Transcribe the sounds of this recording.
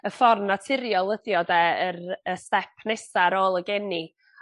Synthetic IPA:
əfɔrnatʰɪɾjɔlˠəðjɔdɛəɾəstɛpʰnɛsaɾoːlˠəɡɛni

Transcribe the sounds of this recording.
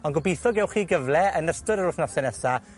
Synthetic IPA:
ɔnɡɔbejθɔɡɛwχiːɡəvlɛənəstəɾəɾʊθnɔsɛnɛsa

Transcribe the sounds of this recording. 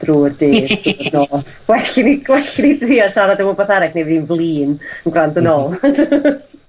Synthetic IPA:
d̥ruːrdɪnɔswɛɬɪni̥wɛɬɪnitʰiːɔʃaɾadəwɔbɔθaɾɛknevinvlˠiːnənɡrandənoːlˠ

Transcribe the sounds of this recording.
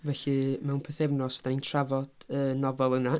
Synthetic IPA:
vɛɬɨmɛwnpʰɛθɛvnɔsvɛd̥aintʰravɔd̥əːnɔvɛlˠəna

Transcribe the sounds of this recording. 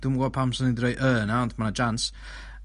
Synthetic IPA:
d̥ʊmɡwɔpʰamsɔnidrejʔəːnaɔntʰmanad͡ʒans

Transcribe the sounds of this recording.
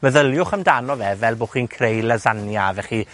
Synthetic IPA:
məðəlˠjʊχəmdanɔvɛvɛlˠbʊχinkʰrejlazanjavɛχi

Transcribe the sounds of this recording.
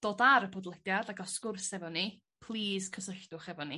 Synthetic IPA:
d̥oːdaɾəpʰɔdlˠɛdjadakɔskʊrsɛvɔni | pʰlˠiːskʰəsəɬdʊχɛvɔni

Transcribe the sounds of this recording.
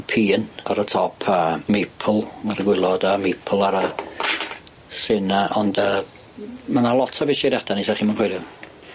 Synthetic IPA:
pʰiːnəɾətʰɔpʰəmepʰl̩ˠmarɡwɪlˠɔdəmepʰlˠaɾə | sɪnaʔɔndəː | manalˠɔtʰɔvɪsiɾjad̥anisaχiːmənχwedɪ

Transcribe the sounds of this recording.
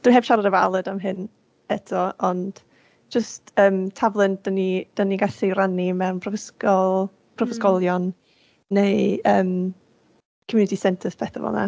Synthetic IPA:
d̥wiɦɛːb̥ʃaɾadəva̰lˠədamɦɨn | ɛtʰɔʔɔnd̥ | d͡ʒəstəːmtʰavlˠənd̥ənid̥əniɡaɬiranimɛwmpʰrɔskɔlˠ | pʰrɔvəskɔlˠjɔnː | ejəːm | kʰəmjuːnɪtʰisɛntʰəspʰɛθəvɔ̰na̰

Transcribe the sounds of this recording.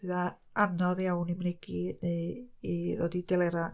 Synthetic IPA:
ða | anɔðawnimnɛɡi | iðɔdidɛlɛɾa

